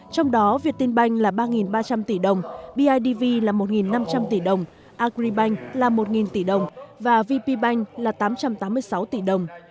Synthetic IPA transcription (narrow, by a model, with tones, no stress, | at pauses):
t͡ɕɔ˧wŋ͡mɗɔ˨˦vi˨˩ət̚t̪i˧nɓa˧jŋ̟laː˨˩ɓaː˧ŋi˨˩nɓaː˧t͡ɕa˧mt̪i˧˩ɗə˨˩wŋ͡mɓi˧ʔaː˧jɗi˧vi˧laː˨˩mo˨˩t̚ŋi˨˩nːa˧mt͡ɕa˧mt̪i˧˩ɗə˨˩wŋ͡m | ʔaː˧kɾi˧ɓa˧jŋ̟laː˨˩mo˨˩t̚ŋi˨˩nt̪i˧˩ɗə˨˩wŋ͡mvaː˨˩vi˧pi˧ɓa˧jŋ̟laː˨˩t̪aː˨˦mt͡ɕa˧mt̪aː˨˦mːɨ˧əjsa˨˦wt̪i˧˩ɗə˨˩wŋ͡m